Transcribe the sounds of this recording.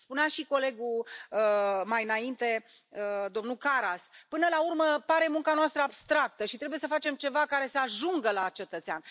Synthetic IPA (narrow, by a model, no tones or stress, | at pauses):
spuneaʃiko̞le̞ɡuəmajɨnaint̪e̞ | əd̪o̞mnukaɾaspɨnəlaurməpaɾe̞muŋkanoast̪ɾəabst̪ɾak̚t̪əʃit̪ɾebuje̞səfat͡ʃe̞mt͡ʃe̞vakaɾe̞seaʒuŋɡəlat͡ʃe̞t̪ət̪sea̰n